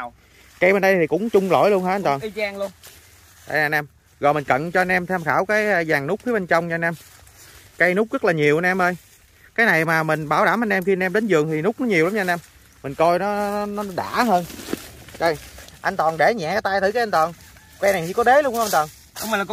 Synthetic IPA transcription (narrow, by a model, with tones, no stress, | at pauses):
ka˧jmɓe˨nɗə˧t̪ʰi˨˩kʊ̰˧˥ŋ͡mt͡ɕʊ˧ŋ͡mlo̰˧˨jlu˧ənhɦaː˧˥a˧nt̪ɔ˨˩n˧aː˧ŋlən | ɗa̰˧˨jːnʔɛ˧m | ɣɔ̰˨˩mï˨˩ŋ̟kə̰˧˨nt͡ɕɔ˧ʔnʔɛ˧mt̪ʰa˧mxaː˧˩wkaː˨˦jzaː˨˩ŋnʊ˦˥k͡p̚fi˨˦ɓe˧nt͡ɕə˧wŋ͡mt͡ɕːnʔɛ˧m | ka˨˦jnʊ˦˥k͡p̚zə˦˥k̚laː˨˩ɲi˨˩əwʔa˧nʔɛ˧mʔəː˧j | kaː˨˦jna˨˩jmaː˨˩mï˨˩ŋ̟ɓaː˧˩wɗaː˧˩mʔa˧jnʔɛ˧mxi˧nʔɛ˧mɗe˨˦nzɨ˨˩əŋt̪ʰi˨˩nʊ˦˥k͡p̚nɔ˨˦ɲi˨˩əwla˨˦mt͡ɕɔ˧nʔɛ˧m | mi˨˩ŋ̟kɔ˧jnɔ˨˦n˨˦nɔ˨˦ɗa̰ː˧˩ɦəː˧n | zɔ˧˩jʔa˧jnt̪wɔ˨˩nɗe˧˩ɲaɛ̰˧˨kaː˨˦t̪aː˧jt̪ʰi˧˦kːa˨˦ja˧nt̪wɔ˨˩n | kwa˧jna˨˩jt͡ɕi˧kɔ˨˦ɗe˨˦lu˧ən˧nt̪ɔ˨˩n˧˦˨